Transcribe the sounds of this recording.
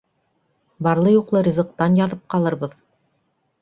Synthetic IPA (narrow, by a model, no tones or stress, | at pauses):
bɑɾlˠɤjuqlˠɤɾʲizɤ̆q̚t̪ɑnjɑðɤp̚qɑlˠɤ̆ɾβɤð